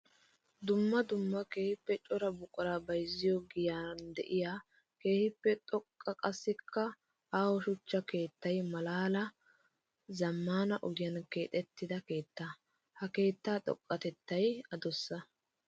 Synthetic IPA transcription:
d̪ʊmːɐd̪ʊmːɐke̞ːhɪpːɛt͡ʃʼɔɾɐbʊkʼɔɾaːbɐjzɪjɔɡɪjaːnd̪ɛʔɪjaː | ke̞ːhɪpːɛt̪ʼɔkʼːɐkʼɐsːɪkːɐ | aːwɔʃʊt͡ʃːɐke̞ːt̪ːɐjmɐlaːlɐ | zɐmːaːnɐʔɔɡɪjɐnke̞ːt̪ʼɛt̪ːɪd̪ɐke̞ːt̪ːa | hɐke̞ːt̪ːaːt̪ʼɔ̰kʼːɐt̪ɛt̪ːɐjɐd̪ɔsːɐ

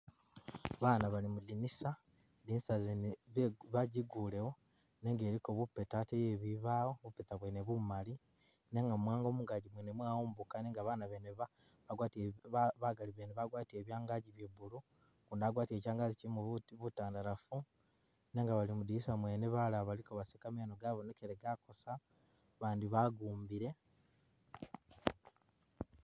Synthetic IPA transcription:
βaːnaβalimudinisa | diːnsazenββaɟiɡuːle̞wo | neŋɡe̞ːɾikoβupːetatejeβiβaːwoβupetaβweneβumali | ne̞ŋɡamwaːŋɡomuɡaɟimwenemwaːumbukaneːŋɡaβaːnaβeneβa | βaɡwaːtiβaɡaliβeneβaɡwaːtie̞ːβjaːŋɡaɟiβjeβulu | kunaɡwaːtie̞ːcaːŋɡazicimuβutaːndaɾafu | ne̞ŋɡaβalimudisamwe̞ːneβalaβalikoβasekamanoɡaβonekeɾeɡako̞sa | βaːndiβaɡuːmbiɾe̞

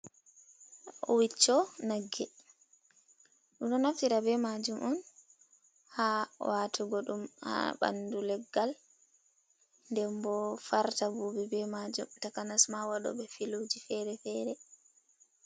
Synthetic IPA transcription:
ʔɔ̰wit͡ʃːɔnaɡːɛ | ɗumɗɔnaftiɾabɛmad͡ʒumʔɔn | hawatʰuɡɔɗumha̰ɓa̰ndulɛɡːal | ndɛmbɔfaɾtabubibɛmad͡ʒumtakanasmawaɗɔ̰bɛfilud͡ʒifɛɾɛfɛɾɛ

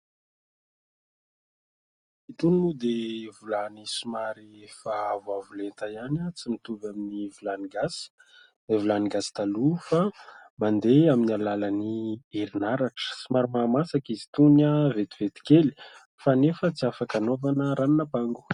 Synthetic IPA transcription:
it̪uninud̪evulanisimaɾiefavwavulent̪ajanət͡simit̪uvaminivulaniɡas | vulaniɡasi̥t̪alufamand̪eaminalalaniiɾinaɾaʈ͡ʂə̥simaɾimaːmasakizi̥t̪unavet̪iv̥et̪i̥keli̥ | fanefət͡siafakanovanəɾannəpaŋɡu̥

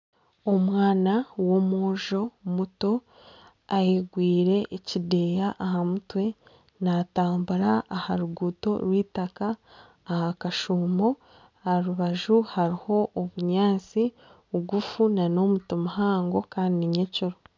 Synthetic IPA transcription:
o̞mwaːnawo̞moːʒo̞muto̞ | ajeɡwiːɾe̞ʔːcide̞jaʔːhamutwe̞ | naːtaːmbuɾaʔːhaɾuɡuːto̞̰ɾwiːtakaː | hakaʃuːmo̞ | aɾuβaʒuhaɾiho̞ʔːβuɲaːnt͡si | uɡufunano̞mutomuɦaːŋɡo̞kaːndiiɲecoɾo

